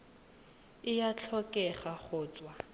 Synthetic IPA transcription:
ɪjat͡ɬʰɔkʼɛχaχʊːt͡sʼwa

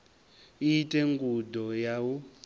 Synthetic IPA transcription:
iitʼɛŋɡudɔjawu

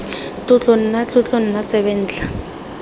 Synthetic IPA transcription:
tʼʊt͡ɬon̩nat͡ɬʊt͡ɬon̩nat͡sɛβɛn̩ːt͡ɬḁ

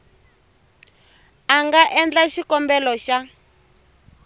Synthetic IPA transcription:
aŋɡaʔɛnd͡ɮaʃikɔmbɛlɔʃa

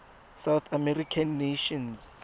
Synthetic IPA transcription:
sawθamɛrikʰanːeʃɔ̃ns

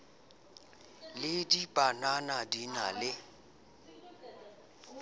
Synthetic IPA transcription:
lɪdibʼananadinalɪ

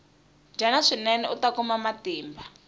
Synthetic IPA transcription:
nd͡ʒʱanaʂinɛnɛutakumamatiːmbʱa

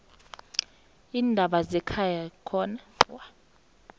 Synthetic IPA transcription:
iːndʱaɓazɛkʰajakʰɔnawa

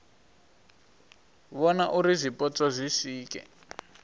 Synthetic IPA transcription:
βɔnaʔuɾizʷipʼɔt͡sʼazʷisiːkɛ̰

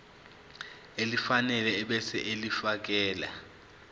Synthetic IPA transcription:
elifanɛlɛɛɓɛsɛ̰ʔelifak̬ɛːla̰

